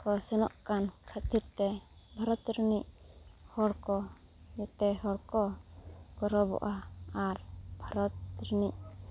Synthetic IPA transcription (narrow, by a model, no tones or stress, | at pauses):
kɔsɛnɔ̰ʔkankʰat̪ʰiɾt̪ɛ | bʱaɾɔt̪ɾniʔ | hɔɽkɔ | mɛt̪ɛhɔɽkɔ | kɔɾɔbɔ̰ʔa | aɾ | bʱaɾɔt̪ | ɾniʔ